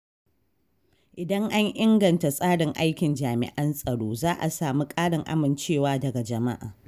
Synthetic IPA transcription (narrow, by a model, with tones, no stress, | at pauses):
ʔɪ˨dɐ˦ŋʔa˦ɲʔɪ˦ŋɡɐ˨nta˨sʼaː˦ɽɪ˨ŋʔa˦jkʲɪ˨nd͡ʒaː˨mɪ̰˨ʔɐ˦nsʼɐ˨ɽoː˦zaː˦ʔa̰˨saː˨mi˦kʼaː˦ɽɪ˨ŋʔa̰˦mɪ˨nt͡ʃeː˦˨waː˦dɐ˨ɡa˨d͡ʒɐ˨ma˦ʔa̰ː˨